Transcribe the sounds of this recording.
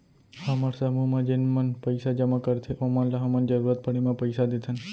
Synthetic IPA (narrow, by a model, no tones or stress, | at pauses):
hamaɾsamumãd͡ʒenmənpəjsad͡ʒəmãkəɾt̪ʰeʔomanlaɦamənd͡ʒəɾuɾat̪̚pəɽemãpəjsad̪et̪ʰən